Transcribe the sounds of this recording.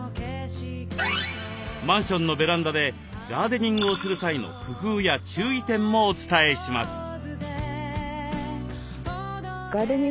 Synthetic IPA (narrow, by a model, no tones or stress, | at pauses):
mãɰ̃ɕõ̞nːo̞be̞ɾãnd̪ad̪e̞ | ɡaːd̪e̞ɲ̟ĩŋɡɯosɨɾɯ̟saino̞̰ɸɯ̟kɯːjat͡ɕɨːit̪ẽ̞mːo̞ːt͡sɨ̥t̪ae̞ɕima̰sɨ̥ | ɡaːd̪eɲi